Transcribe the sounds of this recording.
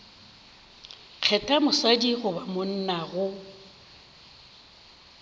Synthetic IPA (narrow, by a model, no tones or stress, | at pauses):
k͡xʰɛtʼamʊsadiɣʊbamʊn̩naɣʊ